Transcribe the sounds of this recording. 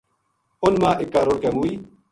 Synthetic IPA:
ʊnmãːʔɪkːaːɾoːɽkeːmuːiː

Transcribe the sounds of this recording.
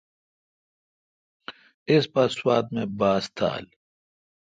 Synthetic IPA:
ɪspɐswaːt̪mẽbaːst̪ʰa̰ːl

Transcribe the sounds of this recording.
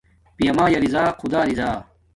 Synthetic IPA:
pijɐmaːjɐɾizaːqʰud̪aːɾizaː

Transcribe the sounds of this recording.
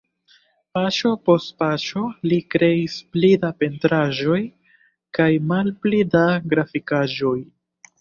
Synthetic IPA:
pat͡ʃo̞po̞stpat͡ʃo̞likɾe̞isplidape̞ntɾaʒo̞j | kajmalplidaɡɾafikaʒo̞j

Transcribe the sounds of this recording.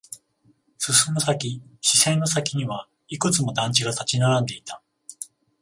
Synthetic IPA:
sɨsɨmosakʲiɕisẽ̞nːo̞sakʲiɲ̟iβa | ikɯ̟t͡sɨmo̞d̪ãɲ̟t͡ɕiɡat̪at͡ɕinaɾãnd̪e̞it̪ḁ

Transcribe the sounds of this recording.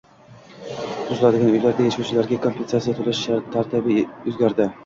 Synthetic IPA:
ozlˠad̪ɪɡʲanɵjlaɾd̪aaʃawt͡ʃʰɪlaɾɡʲakʰo̞mpʲensat̪sijat̪ʰolˠɪʃt̪ʰaɾt̪ʰɪbɪɵzɡʲaɾd̪ɪ

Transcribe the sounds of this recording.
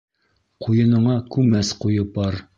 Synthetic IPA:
qʰujɤ̆nɤ̆ɴɑkʉmæsqujɤp̚ɑɾ

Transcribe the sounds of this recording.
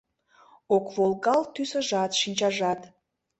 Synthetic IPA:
okvolˠɡɑlt̪ysə̆ʒɑt̪ʃinʲt͡ɕɑʒɑt̪

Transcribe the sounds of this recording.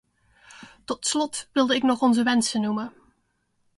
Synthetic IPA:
tɔtslɔtʋɪlˠdəɪknɔχɔnzəʋɛnsənːumə

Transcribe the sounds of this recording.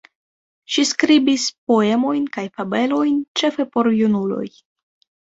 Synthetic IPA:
ʃiskɾibispo̞e̞mo̞jnkajfabe̞lo̞jnt͡ʃe̞fe̞po̞ɾjunulo̞̰j

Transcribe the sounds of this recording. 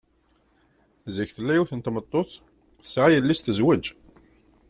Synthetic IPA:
zəçθəlːæjuθənt̪mət̪ˤːoθ | θə̥sʕajəlːist̪əzwæd͡ʒ

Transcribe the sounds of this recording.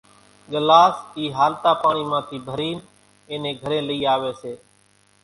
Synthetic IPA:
ɠəlaːsiːɦaːlt̪aːpaːɳiːmãːt̪ʰiːbʱəɾiːn | ẽːnẽːɡʱəɾẽːləiːaːʋeːseː

